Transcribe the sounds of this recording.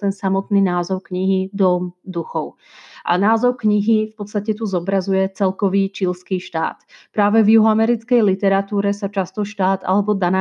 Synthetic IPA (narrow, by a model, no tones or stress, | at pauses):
t̪ɛnsamɔt̪niːnaːzɔʊkɲiɦid̪ɔmd̪uxɔʊ | ʔa̰naːzɔʊkɲiɦifpɔt̪st̪acɛt̪uzɔbɾazujɛt͡sɛlkɔʋiːt͡ʃilskiːʃt̪a̰ːt̪pɾaːʋɛvjuɦɔamɛɾit͡skɛjlit̪ɛɾat̪uːɾɛsat͡ʃast̪ɔʃt̪aːd̪a̰lɛbɔd̪anaː